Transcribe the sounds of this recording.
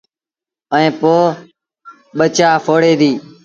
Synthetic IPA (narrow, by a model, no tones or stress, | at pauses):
əĩːpoː | ɓət͡ʃaːfʰoːɽeːd̪iː